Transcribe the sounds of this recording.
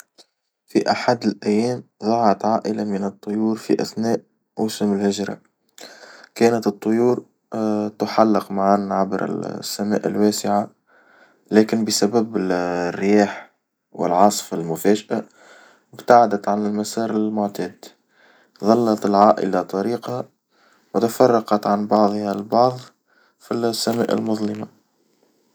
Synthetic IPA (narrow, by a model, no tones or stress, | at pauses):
fiʔaħad̪ɪlʔæjːæːmðˤɑʕʕɑt̪ʕaːʔɪlamənɨt̪ˤːʊjuːɾfḭʔæ̰θnæːʔ | wʊsʊmɪlhɪʒɾˤɑ̰ | kæːnət̪ɨt̪ˤːʊjuːɾ | t̪ʊħalːɪqmaʕanʕabɾɪ̰sːæmæ̰ːʔɪlwæːsɪʕa | læːkɪnbəsabæbɪrːɪjaːħ | wɪ̰lʕɑsˤfalmʊfæːʒaʔa | ɪbt̪aʕad̪æt̪ʕanɪlmasɑːɾɪlmʊʕt̪ɛːd̪ | ðˤɑlːɑt̪ɪlʕaːʔɪ̰lat̪ˤɑɾiːqa | wɪt̪afɑrˤːɑqɑt̪ʕanbɑʕðˤhalbɑʕðˤ | fisːæmæ̰ːʔɪ̰lmʊðˤlɪma